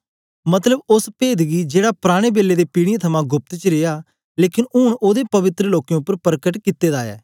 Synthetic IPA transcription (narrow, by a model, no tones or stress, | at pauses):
mɐt̪ləbʊspeːd̪ɡid͡ʒeːɽapɾaːɽ̃ebeːlːeːd̪eːpiːɽɪjẽt̪ʰɐmãːɡʊp̚t̪t͡ʃəɾeːjaː | leːkɪnʊːɳoːd̪epɐʋɪt̪ɾəloːkj̃ʊpːəɾpəɾkəʈkɪt̪ːeːd̪aːjɛ̰ː